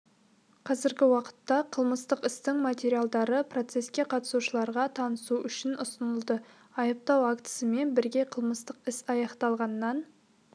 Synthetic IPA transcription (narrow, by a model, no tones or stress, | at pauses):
qʰɑzɪɾɡʲɪwɑqə̥t̪ːɑqʰəlˠməst̪əqɪst̪ɪŋmat̪ʲe̞ɾijalˠd̪ɑɾəpro̞t̪se̞skʲe̞qʰɑt̪ə̥suʃəlˠɑɾʁɑt̪ʰɑnəsuʔʏʃɪnʔʊsənəlˠd̪ə | ɑjəp̚t̪ɑwakt̪ə̥səme̞nbɪɾɡʲe̞qʰəlˠməst̪əqɪsɑjɑqt̪ɑlˠʁɑnːɑn